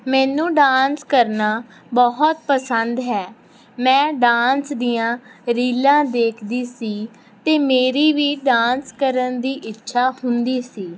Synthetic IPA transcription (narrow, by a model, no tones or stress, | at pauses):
mɛ̃ːnũːɖaːnskəɾnaː | bɔɦɔt̪̚pəsənd̪ɦɛː | mɛ̃ːɖaːnsd̪ijãːɾiːlãːd̪eːkʰd̪iːsiː | t̪eːmeːɾiːʋiːɖãːnskəɾənd̪iːʔɪtːʃʰaːhʊnd̪iːsiː